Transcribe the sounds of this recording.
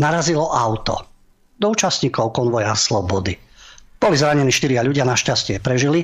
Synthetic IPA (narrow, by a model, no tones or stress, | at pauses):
naɾazilɔʔaʊt̪ɔ̰ | d̪ɔuːt͡ʃasɲiːkɔʊkɔnʋɔjaslɔbɔd̪ib̥ɔlizɾaɲɛniːʃt̪iɾɪaʎuɟɪanaʃcascɪɛpɾɛʒili